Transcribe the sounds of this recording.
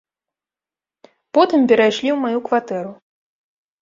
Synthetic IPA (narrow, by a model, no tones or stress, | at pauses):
pɔt̪ɨmpʲɛɾajʂlʲiwmajukvat̪ɛɾu